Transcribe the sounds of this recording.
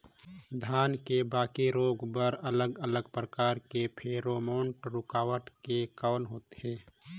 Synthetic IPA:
d̪ʱjaːnkebaːkiɾoːɡbəɾələɡələɡpɾəkaːɾkepʰeːɾoːmoːɳʈɾʊkaːwəʈkekəːnɦoːt̪ɦɛ̃ː

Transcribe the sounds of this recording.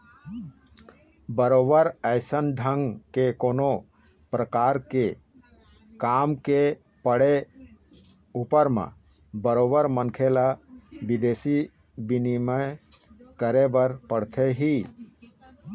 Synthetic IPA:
bəɾoːbəɾəɪsənɖʱəŋɡkekoːno | pɾəkaːɾke | kaːmke | pəɽe | upəɾmḛ̃ | bəɾoːbəɾmənkʰelabid̪eːsi | binimə | kəɾebəɾpəɽt̪ʰeɦi

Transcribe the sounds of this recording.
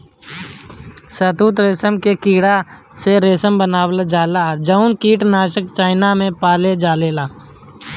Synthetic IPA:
sət̪uːt̪ɾeːsəmkekiːɽa | seɾeːsəmbənaːwəld͡ʒaːlad͡ʒəʊnkiːʈnaːʃəkt͡ʃaːɪnamẽpaːled͡ʒaːleːlaː

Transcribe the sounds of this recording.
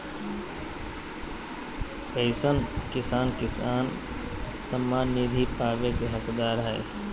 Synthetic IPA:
kəɪsənkɪsaːnkɪsaːn | səmːaːnːid̪ʱipaːʋekeɦəkd̪aːɾɦɛ̰ː

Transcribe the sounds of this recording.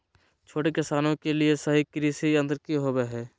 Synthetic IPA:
t͡ʃʰoːʈekɪsaːnõkeliesɐɦikɪɾisiɐ̃nd̪əɾkiɦoːbeɦɛː

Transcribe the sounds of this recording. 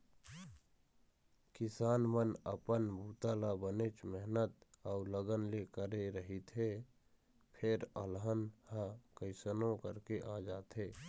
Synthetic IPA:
kɪsaːnmənə̰pənbʱuːt̪aːlabənet͡ʃmɛɦnət̪aʊləɡənlekəɾeɾəɦit̪ʰɦe | pʰɪɾəlɦənhãkəɪsənõkəɾkeʔaːd͡ʒaːt̪ɦeː

